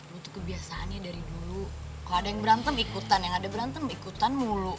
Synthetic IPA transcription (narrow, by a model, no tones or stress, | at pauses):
ut̪ʊ̥kːəbiasaanɲadaɾidulu | kaladajaŋbəɾant̪əmikut̪anjaŋadabəɾant̪əmikut̪anmulu